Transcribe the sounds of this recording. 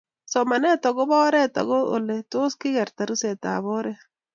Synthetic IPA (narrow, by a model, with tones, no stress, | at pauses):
sɔ˨ma˨nɛ˦tɔ˨ɣo˦bɔ˦ɾɛ˦tɔ̰˨ɣo˦o̰˨le˨tʊ˦skɪ˦ɣɛ˨ɾta˨ɾu˦se˨ta̰˨βɔ˦ɾɛ˦